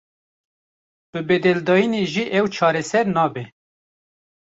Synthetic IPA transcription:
b̥ɨbeːd̪ɛld̪ɑːjineːʒiːʔɛwt͡ʃʰɑːɾɛsɛɾnɑːbɛ

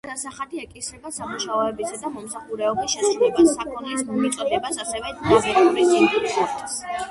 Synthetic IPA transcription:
d̪asaχad̪iɛkʼisɾɛɡasamuʃaɔɛbisad̪amɔmsaχuɾɛɔbisʃɛbsakʰʼɔnɛismit̪sʼɔd̪ɛbasasɛvɛaɔiisɛɾt̪ʰas

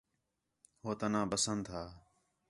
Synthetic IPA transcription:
hoːt̪ənãːbəsənd̪ɦaː

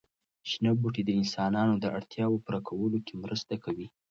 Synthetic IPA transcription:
ʃinabuʈid̪əɪnsɑnɑnod̪əʔa̰ɽt̪jɑwopəɾakʰawəlokemɾəst̪akawi

